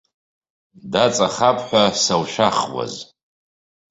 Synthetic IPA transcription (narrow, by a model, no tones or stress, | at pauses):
dat͡sʼaχapʰʼħʷᶣasawʃaχwa̰z